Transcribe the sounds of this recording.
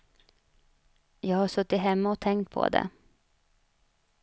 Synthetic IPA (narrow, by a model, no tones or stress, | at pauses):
jɑːɡhaʂɵt̪ːɪt̪ɦɛmːaɔt̪ʰɛŋkt̪̚pʰɔ̰d̪ɛ̰